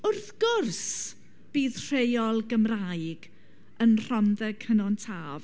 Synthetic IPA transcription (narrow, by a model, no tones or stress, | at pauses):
ʊrθɡ̥ʊrs | b̥iːðr̥ejɔlˠɡəmraɨɡ | ənr̥ɔnðɛɡʰənɔntʰaːv